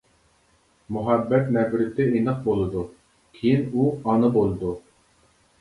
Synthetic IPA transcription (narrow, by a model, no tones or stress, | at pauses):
muɦɛbːɛt̪nɛbɾɪt̪ɪinəq̚bolˠɨd̪u | kʲʰejinuɑnɨbolˠɨd̪u